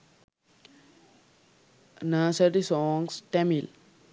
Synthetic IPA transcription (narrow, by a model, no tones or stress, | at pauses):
naːsəʈisɔːŋsʈɛmil